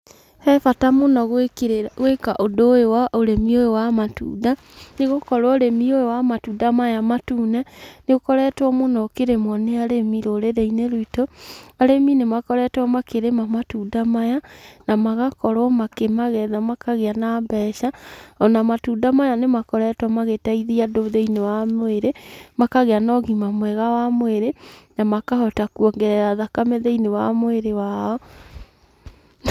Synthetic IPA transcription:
hɛfatamonɔɣeɣwekaʔodoewaʔoɾemioewamatṵːda | neɣokɔɾwɔɾemiojewamatudamajamatuːnɛneɣokɔɾɛtwɔmonɔkeɾemwɔneaɾemiɾoɾeɾeineɾoitoaɾeminemakɔɾɛtwɔmakeɾemamatuːdamajanamaɣakɔɾɔmakemaɣɛðamakaɣeanambɛʃaɔnamatudamajanemakɔɾɛtɔmaɣetaiðiadoðeinewamweɾemakaɣeanɔɣimamwɛɣawamweɾenamakahɔtakuɔŋɡɛɾɛɾaðakameðeinewamweɾewaɔ

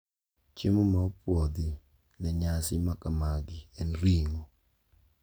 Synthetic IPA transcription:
t͡ʃemomapwɔd̪ɪ | nɛɲasɪmakamaɡɪɛnɾiŋo

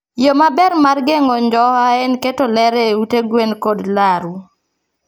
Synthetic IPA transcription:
jomabɛɾmarɡeŋɔɲd͡ʒɔaɛnketolɛɾɛuteɡwenkodlaɾu

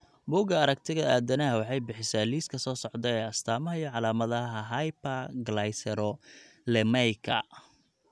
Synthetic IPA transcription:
buːɡɐɐɾɐk̚t̪ʰɪɣɐʔaːd̪ɐnɐɦɐwɑħɑjbɪħɪsaːliːskʰɐsɔːsɔʕd̪ɛɛːɐst̪ʰaːmɐɦɐijɔʕɑlaːmɐðɐɦɐɦajpɐɡlajsɛɾɔ | lɛmɛjkʰɐ̰

